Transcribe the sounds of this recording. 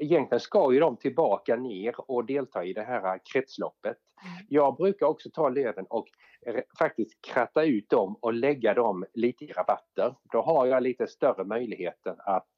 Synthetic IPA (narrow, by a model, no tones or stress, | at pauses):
ɪjɛnk̪lɪɡənskɑjɵd̪ɔmt̪ʰɪlbɑːkaneːɾɔd̪eːlt̪ʰɑːɪd̪ɛɦæːɾakʰɾɛt̪slɔ̰pːət̪ | jɑːɡ̚bɾʉ̟ːkaɾɔksɔt̪ʰɑːløːvənɔk | fak̚t̪ɪst̪kʰɾat̪ːaʉ̟ːt̪̚d̪ɔmɔlɛɡːad̪ɔmliːt̪əɪɾabat̪ːəɾd̪̥ɔɦaɾjɑliːt̪əst̪œrəmœjlɪɡheːt̪əɾat̪